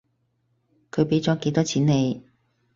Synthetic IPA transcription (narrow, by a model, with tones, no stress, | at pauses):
kʰɵ˨˧ɥpe˨˥jt͡sɔː˨˥ke˨˧˥jt̪ɔː˥t͡sʰiː˨˥ne˨˧j